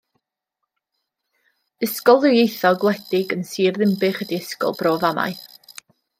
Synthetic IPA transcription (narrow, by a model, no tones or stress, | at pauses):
ɪskɔlˠðɨjejθɔɡlˠɛd̥ɪɡənsiːrðɪmbɪχədiɪskɔ̰lˠbroːvama̰j